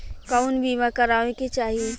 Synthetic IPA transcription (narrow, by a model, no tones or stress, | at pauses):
kaʊnbʱiːmakɐɾaːʋẽket͡ʃaːɦie